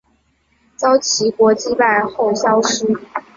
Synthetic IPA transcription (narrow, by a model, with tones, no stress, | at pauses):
t͡sɑ˥ʊt͡ɕʰi˧˥kwɔ˧˥t͡ɕi˥pa˥˧ɪxo˥˩ʊɕjɑ˥ʊʂ̩˥